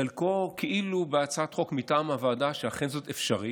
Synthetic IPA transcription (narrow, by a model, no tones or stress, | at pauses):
alko̞kʰeʔilubeat͡saatχo̞kmitaamavaːdaʃeaχenzo̞tefʃaʁi